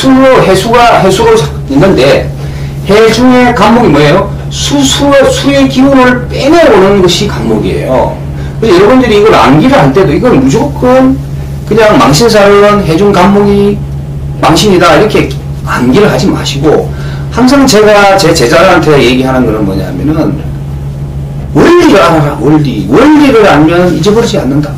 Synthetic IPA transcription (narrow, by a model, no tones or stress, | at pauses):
sʰuɾohesʰuɡaɦe̞sʰuɾot͡ɕa | inːɯnde̞ | hed͡ʑuŋe̞kammːoɡimʌejo | sʰusʰusʰuekiɡuɾɯɭpeneonɯnɯnɡʌɕʰikamːoɡie̞̰jo̰ | kɯsʰʌjʌɾʌbundɯɾiːɡʌɾa̰nɡiɾɯɭɦaɭtʰe̞doiɡʌnmud͡ʑokʰɯn | kɯɲaŋmaŋɕʰins̬ʰaɾɯɯnɦe̞d͡ʑuŋɡammoɡi | maŋɕʰiɲidaiɾʌkʰe̞ | a̰nɡiɾɯɭɦad͡ʑima̰ɕʰiɡo | haŋs̬ʰaŋt͡ɕe̞ɡat͡ɕe̞t͡ɕe̞d͡ʑaɾɯɭɦantʰe̞je̞ɡiɦanɯnkɯɾʌnmʌ̰ɲa̰ɦamjʌnɯn | wʌʎːiɾɯɦaɾaɾawʌɭdiwʌʎːiɾɯɾanmjʌnid͡ʑe̞bɯɾɯd͡ʑia̰nːɯnda